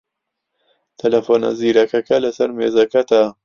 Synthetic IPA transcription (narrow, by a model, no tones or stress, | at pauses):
t̪ʰɐlɐfoːnɐ̰ziːɾɐkɐkɐlɐsɐɾmeːzɐkɐt̪a